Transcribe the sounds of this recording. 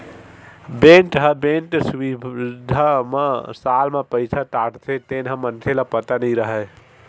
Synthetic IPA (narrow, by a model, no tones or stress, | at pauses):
benʈɦəbeɳʈsuid̪ʱamesalmepəjt͡ʃʰaʈaʈt̪ʰet̪enɦə̃mənt̪ʰelapət̪anəjɾəɦɛ